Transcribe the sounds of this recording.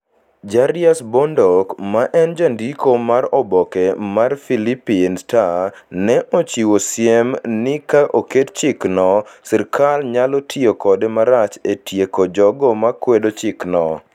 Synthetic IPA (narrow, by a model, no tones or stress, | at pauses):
d͡ʒaɾɪasbɔndɔkmaʔɛnd͡ʒandikomaɾɔbɔkɛmarfilipinstanɛʔot͡ʃiwosjemnɪkaʔokett͡ʃɪknɔsɪɾkalɲalɔtʰiokɔdemaɾat͡ʃetʰjekod͡ʒɔɡɔmakwedot͡ʃɪknɔ